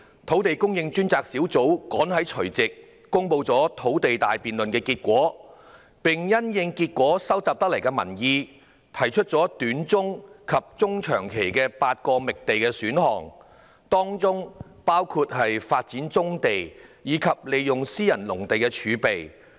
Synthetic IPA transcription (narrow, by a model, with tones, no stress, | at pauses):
t̪ʰo˨˥wt̪e˨jkʊ˥ŋjɪ˧ŋt͡ʃyː˥nt͡saː˧k̚siː˨˥wt͡so˨˥wkɔː˨˥nhɐ˨˥jt͡ʃʰɵ˨˩ɥt͡sɪ˨kː | ʊ˥ŋpo˧wt͡sɔː˨˥t̪ʰo˨˥wt̪e˨jt̪aː˨jpiː˨nlɵ˨nkɛː˧kiː˧t̚kʷɔː˨˥ | pɪ˨ŋjɐ˥njɪ˧ŋkiː˧t̚kʷɔː˨˥sɐ˥wt͡saː˨˧p̚t̪ɐ˥k̚lɐ˨˩kɛː˧mɐ̰˨˩njiː˧ | t̪ʰɐ˨˩jt͡ʃʰɵ˥t̚t͡sɔː˨˥t̪yː˨˥nt͡sʊ˥ŋkʰɐ˨p̚t͡sʊ˥ŋt͡ʃʰœ̰ː˨˩ŋkʰe˨˩jkɛː˧paː˧t̚kɔː˧mɪ˨k̚t̪e˨jkɛː˧syː˨˥nhɔ̰ː˨˩ŋ | t̪ɔː˥ŋt͡sʊ˥ŋ | paː˥wkʰuː˧t̚hɐ˨jfaː˧t̚t͡siː˨˥nt͡sʊ˥ŋt̪e˨jjiː˨˥kʰɐ˨p̚le˨jjʊ˨ŋsiː˥jɐ˨˩nlʊ˨˩ŋt̪e˨jkɛː˧t͡ʃʰyː˨˧pe˨j